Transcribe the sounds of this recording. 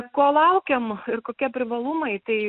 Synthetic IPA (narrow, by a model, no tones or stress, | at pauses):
kuɔlˠɐʊkʲemɪrkoːkʲiɛpʲɾʲɪʋɐlˠumɐɪt̪ɐɪ